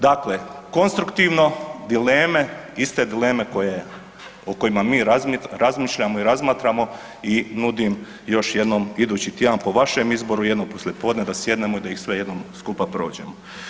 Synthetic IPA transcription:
d̪akleko̞nst̪ɾukt̪iʋno̞d̪ileːme̞ist̪e̞d̪ile̞ːme̞ko̞je | oko̞jimamiːɾazmiɾazmiːʃʎamoiɾazmaːt̪ɾamo̞ | inud̪im | jo̞ʃje̞d̪nomid̪uːt͡ɕit̪eanpo̞ʋaʃe̞mizbo̞ɾujed̪nompo̞slʲjʲepo̞ːd̪ne̞d̪asje̞d̪ne̞mo̞id̪ajixsʋe̞je̞d̪nomskupapɾo̞ːd͡ʑḛmo

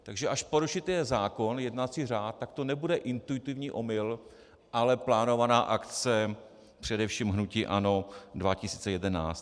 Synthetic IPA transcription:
t̪aɡʒɛʔaʃpoɾuʃɪt̪ɛɛzaːko̞njɛdnat͡siraːt̪̚ːak̚t̪o̞nɛbudɛʔɪnt̪uɪt̪ɪvɲiːʔo̞mɪl | ʔalɛplaːno̞vanaːʔakt͡sɛ | pr̥ɛdɛfʃiːmɦnuciːʔano̞dvacɪsiːt͡sɛjɛdɛnaːt͡st̪

